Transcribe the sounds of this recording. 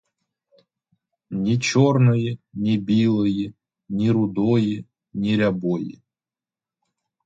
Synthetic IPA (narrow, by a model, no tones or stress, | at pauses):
nʲit͡ɕɔrnɨjɪnʲibʲilˠɨjɪ | nʲiɾʊd̪ɔjɪ | nʲiɾʲɐbɔjɪ̰